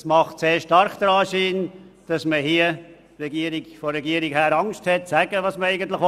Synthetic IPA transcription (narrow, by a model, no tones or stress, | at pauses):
smɑχtseːɾʃtɑɾχd̪̥əɾɑːʃiːnd̥ɑsməhiə | rɛɡiəɾiɡfɔɾːɛɡiəɾiɡhæːɾɑŋʃthɛtsæɡəʋɑsməɾɛɪɡənt̪̬lɪχ